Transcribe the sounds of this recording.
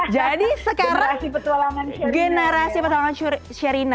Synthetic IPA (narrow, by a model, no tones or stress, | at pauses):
d͡ʒadisəkaɾaasipət̪ualaŋanɡənəɾasipət̪awaŋan | ʃəɾina